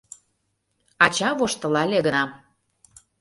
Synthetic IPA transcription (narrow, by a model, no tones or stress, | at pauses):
ɑt͡ɕɑβoʃt̪ə̆lɑlʲeɣənɑ